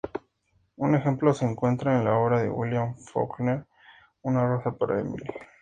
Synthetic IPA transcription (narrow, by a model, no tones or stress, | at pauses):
une̞xe̞mplo̞se̞ːŋkwe̞nt̪ɾaenlao̞βɾaðe̞̰wḭljaɱfo̰kneɾ | unarasapaɾa̰ḛmḭl